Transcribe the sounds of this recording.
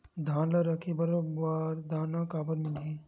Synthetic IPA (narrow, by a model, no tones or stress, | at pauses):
d̪ʱãːlaɾɐkʰibɐɾobaːɾd̪ʱaːnakaːbəɾmɪli